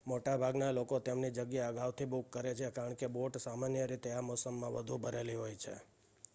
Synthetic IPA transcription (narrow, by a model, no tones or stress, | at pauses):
moʈabʱaɡnalokot̪emnid͡ʒəɡjeəɡaʋt̪ʰibʊukːəɾet͡ʃʰekaɾəɳkeboʈsamanjəɾit̪eamɔsəmːãʋə̰d̪ʱubʱəɾeliɦojt͡ʃʰḛ